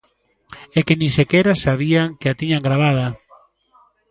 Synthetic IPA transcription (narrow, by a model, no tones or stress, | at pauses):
ekɪnĩsekɛɾasaβiaŋkɪat̪iɲaŋɡɾaβ̞að̞ɐ